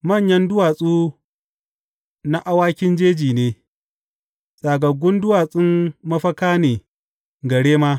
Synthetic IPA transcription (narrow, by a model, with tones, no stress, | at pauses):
mɐ˦˨ɲjɐ˦ndʊ˦waː˨sʼuː˦ | na˦ʔa˦waː˦kʲɪ˦nd͡ʒeː˦d͡ʒiː˨neː˦ | sʼaː˨ɡɐ˨ɡʷʊ˦ndʊ˦waː˨sʼɪ˦mmɐ˦ɸɐ˦kaː˦neː˨ | ɡɐ˨ɽeː˦maː˦